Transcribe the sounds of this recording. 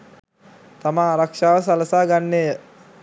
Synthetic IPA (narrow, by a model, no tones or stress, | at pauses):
t̪amaːɾakʂaːʋəs̬aləsaːɡanːejə